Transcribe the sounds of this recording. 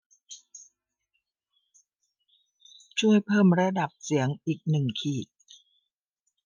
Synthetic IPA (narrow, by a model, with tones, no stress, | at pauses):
t͡ɕʰu˥˩əjpʰɤː˥˩mɾa˧da˨˩p̚si˩˦əŋʔiː˨˩k̚nɯ˨˩ŋkʰiː˨˩t̪̚